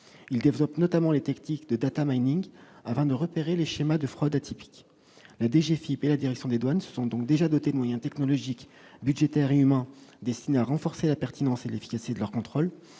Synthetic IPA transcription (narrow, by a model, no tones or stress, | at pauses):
ild̪evlɔpnɔt̪amɑ̃let̪ɛknikd̪əd̪at̪amajniŋɡafɛ̃d̪əʁəpeʁeleʃemad̪əfχɔd̪at̪ʰipi̥k | lad̪eʒefipelad̪iʁɛksjɔ̃d̪ed̪wansə̥sɔ̃d̪ɔ̃k̚d̪eʒad̪ɔt̪ed̪əmwajɛ̃t̪ɛknɔlɔʒikbyd̪ʒet̪ɛʁeymɛ̃d̪ɛst̪ineaʁɑ̃fɔʁselapɛʁt̪ʰinɑ̃selefi̥kasi̥t̪ed̪əlœʁkɔ̃t̪χol